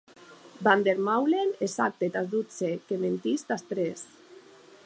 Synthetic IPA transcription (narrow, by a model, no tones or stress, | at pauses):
band̪eɾmawlenesak̚t̪et̪azd̪ut͡sekement̪ist̪ast̪ɾes